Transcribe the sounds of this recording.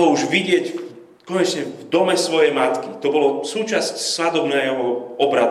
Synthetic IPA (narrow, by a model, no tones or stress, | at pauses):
ɔuʒʋiɟɪɛɟ | kɔɲɛt͡ʃɲɛvd̪ɔmɛsʋɔjɛjmat̪kit̪ɔbɔlɔsuːt͡ʃascsʋad̪ɔbnɛːɦɔɔbɾad̪